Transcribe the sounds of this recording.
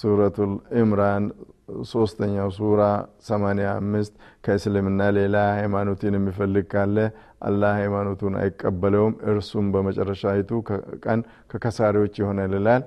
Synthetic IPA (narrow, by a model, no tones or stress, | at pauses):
suɾət̪ʰulɪmɾanso̞st̪ʰəɲːawsuɾasəmanejamːɨst̪kʰəɨslɨmɨnːale̞lahajmano̞t̪ɛnjɛmːifəlːɨɡ̚kʰalːə | ʔa̰lːahajmano̞t̪ʰuna̰jɪkʼːəbːələwmɨɾsumbəmət͡ʃʼɛrːəʃajɪt̪ʰukʼən | kʰəkʰəsaɾiwo̞t͡ʃːjɪho̞nəjlelal